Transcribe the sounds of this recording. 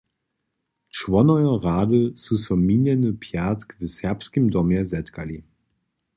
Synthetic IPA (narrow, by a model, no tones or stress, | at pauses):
t͡ʃvɔnɔjɔʁaːdəsusɔminɛnəpʰjatkvəsɛɐpskəmdɔmjɛzɛtkali